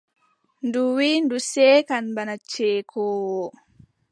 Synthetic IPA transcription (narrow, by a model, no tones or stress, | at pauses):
nduwindusɛːkanbanat͡ʃeːkʰɔwɔ